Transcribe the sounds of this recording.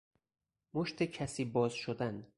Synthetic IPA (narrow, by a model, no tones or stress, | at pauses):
moʃt̪ʰecʰæsiːbɒːzʃod̪æn